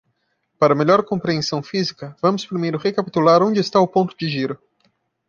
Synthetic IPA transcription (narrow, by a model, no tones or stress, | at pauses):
paɾɐmeʎɔɾkõpɾiẽsɐ̃w̃fizikɐvɐ̃mʊspɾimejɾʊʁekapi̥t̪ulaɾõd͡ʒɪːst̪aʊpõnt̪ʊd͡ʒɪʒiɾʊ